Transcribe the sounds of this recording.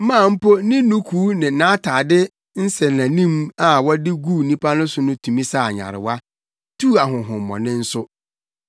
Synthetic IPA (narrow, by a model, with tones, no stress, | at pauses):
mã˦˨m̩˦po˦nɪ̃˦nũ˦kʰuː˨˦nɪ̃˨nã˦tʰaː˨dɪ˦ | n̩˦sɛ˨nã˨nĩ˦ma˨wɔ˦dɪ˦ɡu˦˨nĩ˦pʰa˦nʊ̃˦sʊ˨nʊ̃˦tʰũ˨mĩ˦sa˦˨ɲa̰˨ɾɪ̰˨wa˦ | tʰu˦˨a˨ɦʊ̃˨ɦʊ̃˨m˨mɔ̰̃˨nɪ̃˦n̩˦sʊ˦